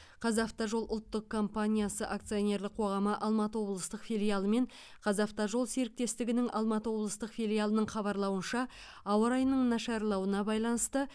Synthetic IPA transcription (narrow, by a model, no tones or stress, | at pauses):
qʰɑzɑft̪ɑʒo̞lˠʔʊlˠt̪ːəqkʰːo̞mpanʲijasəʔakt̪sɨjo̞nʲe̞ɾlɪk̚qʰo̞ʁɑməʔɑlˠmɑt̪əwo̞blˠəst̪əqfilʲijalˠəme̞ɴ | qʰɑzɑft̪ɑʒo̞lˠseɾɪk̚t̪e̞st̪ɪɡʲɪnɪŋʔɑlˠmɑt̪əwo̞blˠəst̪əqfʲilʲijalˠənəɴχɑβɑɾlˠɑwənʃɑ | ɑwəɾɑjnəɴnɑʃɑɾlˠɑwənɑbɑjlˠɑnəst̪ə